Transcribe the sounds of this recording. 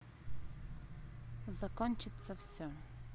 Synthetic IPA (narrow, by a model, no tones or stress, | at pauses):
zɐkɔnʲt͡ʃɪt̪sːɐfsʲɔ